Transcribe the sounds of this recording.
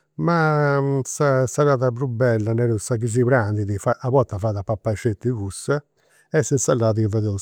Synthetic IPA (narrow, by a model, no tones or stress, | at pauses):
masasaɾaːðapɾubːɛlːanɛɾusaɣiz̬iβɾand̪iðifaʔaβɔt̪ːafaːðapːapːaiʃet̪ːiɣusːɛ | ɛsɛnsalːaːðivɛðɛ